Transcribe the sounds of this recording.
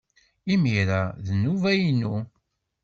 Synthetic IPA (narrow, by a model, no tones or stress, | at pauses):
imiɾaðnːuvæjnu